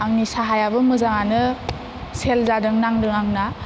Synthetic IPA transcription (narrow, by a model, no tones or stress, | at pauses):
aŋnisaɦajabɯmɯzaŋanɯ | selzadɯŋnaŋdɯŋaŋna